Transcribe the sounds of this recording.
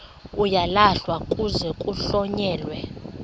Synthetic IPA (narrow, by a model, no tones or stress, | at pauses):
ujalaɬwakʼuzɛkʼuɬɔɲɛːlwɛ